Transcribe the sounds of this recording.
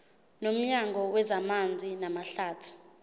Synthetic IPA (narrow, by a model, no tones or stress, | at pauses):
nom̩ɲaŋɔwɛzamand͡zʱinamaɬaːtʰu̥